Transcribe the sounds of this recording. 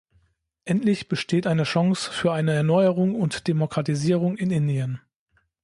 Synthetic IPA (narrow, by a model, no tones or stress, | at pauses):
ʔɛntlɪçb̥əʃtʰeːtʔaɪnəʃɔŋsfyːɐʔaɪnəɛɐnɔʏəʁʊŋʊntd̥emokʁ̥atiziːʁ̞ʊŋɪnɪndiən